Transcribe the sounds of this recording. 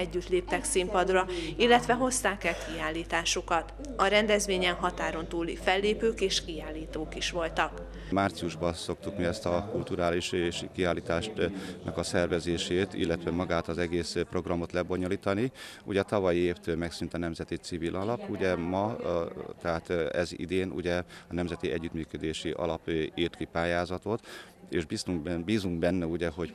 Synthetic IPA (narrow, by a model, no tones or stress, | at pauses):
ɛɟːyt̪leːp̚t̪ɛksimpɒd̪rɒilːɛt̪ʋɛɦo̞st̪aːkɛlkiaːlːiːt̪aːʃukɒt̪ | ɒɾɛnd̪ɛzʋeːɲɛnɦɒt̪aːɾo̞nt̪uːlifɛlːeːpøːkeːʃkiaːlːiːt̪oːkiʃʋo̞lt̪ɒk | maːrt̪siuʒbɒso̞k̚t̪ukmiɛst̪ɒkult̪uɾaːliʃʃikiaːlːiːt̪aːʃnʔɒkɒsɛrvɛzeːʃeːt̪ḭlːɛt̪ʋɛmɒɡaːt̪ɒzɛɡeːspro̞ɡrɒmo̞t̪lɛbo̞ɲo̞liːt̪ɒni | ṵɟɛt̪ɒvɒjieːft̪øːlmɛksynt̪ɒnɛmzɛt̪it̪sivilʔɒlɒpuɟɛmɒ | t̪ɛɦaːt̪ɛzḭd̪eːnṵɟɛɒnɛmzɛt̪iʔɛɟːyt̪myːkød̪eːʃiʔɒ̰lɒpiːrt̪kipaːjaːzɒt̪o̞t̪ | eːʃbist̪uŋbiːzuŋɡbɛnːɛuɟɛɦo̞ɟ